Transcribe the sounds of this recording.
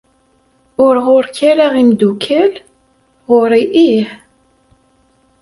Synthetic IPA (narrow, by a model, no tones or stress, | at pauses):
ʊɾʁʊɾkæɾaʁimd̪ukʰæl | ʁʊɾˤiʔiħ